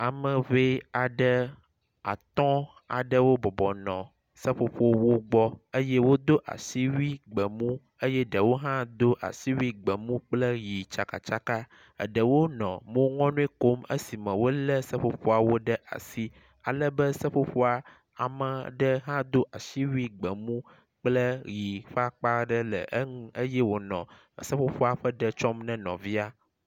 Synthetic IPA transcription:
a˨mə̃˨ve˦a˨ɖə˦ | a̰˨t̪ɔ̃˦ | a̰˨ɖə˦wo˦bɔ˨bɔ˨nɔ̃˨ | sə˦ɸo˨ɸo˦wo˦ɡ͡bɔ˦ə˦jɛ˦wo˦d̪o˦ʔa̰˨si˦wi˦ɡ͡bə˨mũ˦ | ə˦jɛ˦ɖə˨wo˦ɦã˦d̪o˦ʔa̰˨si˦wi˦ɡ͡bə˨mũ˦k͡plə˦ji˨t͡ʃa˨ka̰˨t͡ʃa˦ka˦ | ə̰˨ɖə˨wo˦nɔ̰̃˨mõ˦ŋɔ̃˦nũ˦i˦ko˦mə̰˦si˨mɛ̃˨wo˦lə˦sə˦ɸo˦ɸo˦a˨wo˦ɖə˦ʔa̰˨si˦ | a̰˨lə˦bə˦sə˦ɸo˦ɸo˦a˨ | a̰˨mə̃˨ɖə˦ɦã˦d̪o˦ʔa˨ʃi˦wi˦ɡ͡bə˨mũ˦ | k͡plə˦ji˨ɸa˦k͡pa˦ɖə˦lə̰˨ʔə˦ŋũ˦ə˦jɛ˦wo˨nɔ̰̃˨ | sə˦ɸo˦ɸo˦a˨ɸə˦ɖə˨t͡ʃɔ˦mnɛ̃˦nɔ̰̃˨vi˦a˦

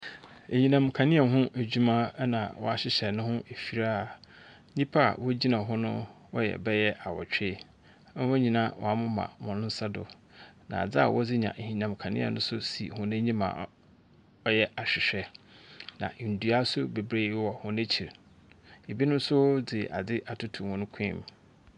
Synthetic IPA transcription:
e˨ɲĩ˨nã˨mkʰã˨nɪ̃˦ɛ˨ɦʊ̃˦ʔæ˨d͡ʑᶣu˦mã˦nã̰˨wɔ̰˦a˦˨ɕɪ˦ɕɛ˨nʊ̃˦hʊ̃˦ʔe˨fi˨ɾa˦˨ | ɲĩ˦pʰa˦a̰˨wɔ˦d͡ʑi˦nã˨ɦʊ̃˦nʊ̰̃˦wɔ˦jɛ̰˨bɛ˦jɛ˦ʔa˨wɔ̰˨t͡ɕᶣe˦ | ɛ˦wɔ̃˦ɲĩ˨nã˦wɔ̰˨a˨mʊ̃˦mã̰˨mɔ̃˨nʊ̃˦n̩˦sa˦dʊ̰˨ | nã̰˨a˨d͡zɪ˦a̰˨wɔ˦d͡zɪ˦ɲã̰˨ʔhĩ˨nã˨mkʰã˨nɪ̰̃˦ɛ̰˨nʊ̰̃˦sʊ˦sḭ˨hʊ̃˦næ̃˦ɲĩ˦mã̰ː˨ | ɔ˦jɛ˦ʔa˨ɕᶣɪ˨ɕᶣɛ˨ | nã̰˨n̩˨du˨a˦sʊ˦be˨bɾe˦wɔ˨hʊ̃˦næ˦t͡ɕʰi˨ɾ | e˨bi˦nʊ̃˦n˦sʊ˦d͡zɪ˨ʔa̰˨d͡zɪ˦ʔa˨tʰʊ˦tʰũ˨hʊ̃˦nʊ̃˦kʰĩ˦˨m

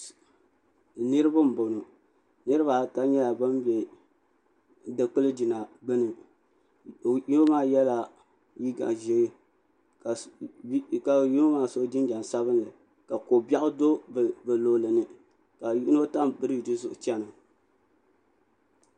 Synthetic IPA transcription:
nɨ˦ɾɨ˦ba˦m̩˨bo˨nʊ˨ | nɨ˦ɾɨ˦ba˨ta˦ɲɛ˦la˨ba˦mbɛ˨ | dɨ˨k͡pɨ˦lɨ˦di˨na˨ɡ͡bɨ˦nɨ˨ | ju˦o˦maː˦jɛ˦la˦ | ji˦ɡa̰˨ʒi˨ɡɨ˦ | ka˨˦ | ka˨ji˦no˦maː˦so˦d͡ʒi˦n˦d͡ʒa˨n˨sa˦βɨ˦n˦lɨ˨ | ka˨ko˨ba˦ʔʊ˦do˦˨bɨ˨lo˨lɨ˨nɨ˦ | ka˨ji˦no˦ta˦mbɨ˦ɾɨ˦˨dɨ˦zʊ˨ʔʊ˨t͡ʃɛ˦nɨ˨

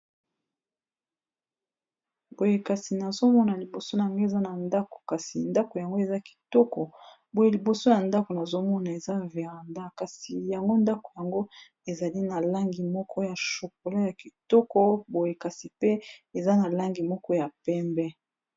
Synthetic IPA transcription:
bo˨je˨ka˨si˨na˨zo˦mɔ˦na˨li˨bo˨so˦na˨ŋɡe˦e˨za˦na˨nda˦ko̥˨ka˨si˨nda˦ko˨ja˨ŋɡo˦e˨za˦ki̥˨tɔ˦kɔ˨ | bo˨je˨li˨bo˨so˦ja˨nda˦ko˨na˨zo˦mɔ˦na˨e˨za˦ve˨ʁa˨nda˦ka˨si˨ja˨ŋɡo˦nda˦ko̥˨ja˨ŋɡo˦ | e˨za˨li˦na˨la˦ŋɡi˨mɔ˦kʰɔ˦ja˨ʃo˨k̚o˨la˦ja˨ki˨tɔ˦kɔ˦bo˨je˨ka˨si˨pe˦e˨za˦na˨la˦ŋɡi˨mɔ˦kɔ˦ja˨pɛ˦mbɛ˦

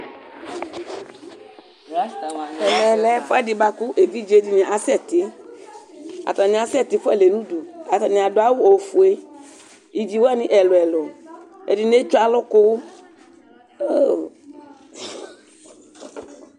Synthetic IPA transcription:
ɛ˨lɛ˨lɛ˨˦fʊ˦ɛ˦di˨ba˧ku˦ʔe˨vi˦d͡ʒe˦di˨nĩ˨ʔa˨sɛ˦˨t̪i˦ | a̰˨t̪ɔ˨nĩ˨a˨sɛ˦˨t̪i˨˦fɛ˦˨le˨nũ˦du˨a˨t̪ɔ˨nĩ˨a˨do˨a˦wu˦o˨fu˨e˦ | i˨d͡ʒi˨wo˦a˦nĩ˦ʔɛ˨lɔ˨ɛ˨lɔ˨ḛ˨di˨ne˦t͡ʃa˨lɔ˦ko˦˨

